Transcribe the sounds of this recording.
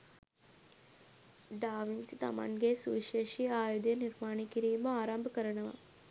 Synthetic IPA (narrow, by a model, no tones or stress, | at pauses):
ɖaːʋinsit̪ɐ̰ma̰nɡeːsuʋʃeːʃiaːjud̪jɐniɾmaːɳikiɾijumbɐaːɾaːmbʱɐkɐɾɐɳɐʋɐ̰